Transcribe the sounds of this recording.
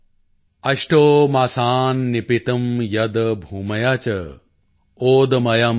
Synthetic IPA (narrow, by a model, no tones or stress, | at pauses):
ɐʃʈoːmasaːnːipit̪ɐmjɐd̪ɐbʱuːmɐjaːt͡ʃɐ | oːd̪ɐmɐjɐm